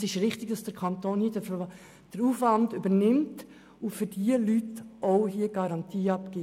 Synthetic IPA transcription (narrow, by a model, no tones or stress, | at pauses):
sɪʃɾɪχtɪɡd̥ɑsd̥əkʰɑnt̪oːnhiːədəf | d̥əɾuːfʋɑndøbəɾnɪmt | ufʏɾdiəlytʔoʊɦiəɡ̥ɑɾɑntʰiːɑpkeː